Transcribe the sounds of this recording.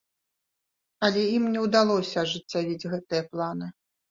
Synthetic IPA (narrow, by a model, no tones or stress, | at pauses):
ɐlʲɛimnʲɛwd̪alˠɔsʲɐʐɨt͡sʲːavʲid͡zʲɣɛt̪ɨjɐplˠanɨ